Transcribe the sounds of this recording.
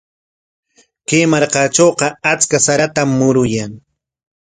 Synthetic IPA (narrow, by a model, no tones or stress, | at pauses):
kemɑɾqɑt͡ʃoːqɑat͡skasaɾat̪amːʊɾʊjaŋ